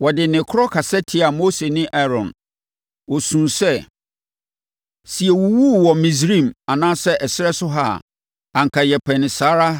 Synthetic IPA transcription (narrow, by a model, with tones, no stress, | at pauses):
wɔ˨dɪ˨nɪ̃˨kʰʊ˦ɾɔ˦kʰa˨sɛ˦tʰɪ˦a˨mo˦se˨nɪ̃˦ʔa˦ɾɔ̰̃˨n | wɔ˨sũ˨sɛ˦ | si˨ɛ˨wu˨wu˦˨wɔ˨mĩ˨s̬ɾĩ˦˨ma˨nãː˦sɛ˦ʔɛ˨sɪ˦ɾɛ˦sʊ˦ɦa̰˦˨ | ã˨ŋ̩˨kʰa˨jɛ˨pʰɛ˨nɪ̃˨saː˦ɾa˦